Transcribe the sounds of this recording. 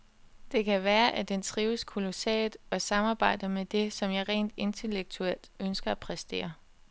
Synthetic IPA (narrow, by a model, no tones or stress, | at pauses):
d̥e̝kʰæʋæːɐʔæd̥ent͡sʰʁiːʊəskʰolo̝sɛ̰ːd̥ˠɒ̽sɑ̈mɑ̈ːb̥ɑ̈ɪ̰d̥ɐmed̥e̝sɒ̽mjɑ̈ɪʁɛ̰ːnd̥e̝nt͡sʰe̝leɡ̥̚t͡sʰuel̰d̥ønsɡ̥ɐæpʰʁɛsd̥e̝̰ːɐ